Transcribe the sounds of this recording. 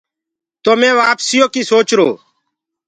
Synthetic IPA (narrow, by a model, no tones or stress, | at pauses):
t̪oːmẽːʋaːpsɪjoːkiːsoːt͡ʃɾoː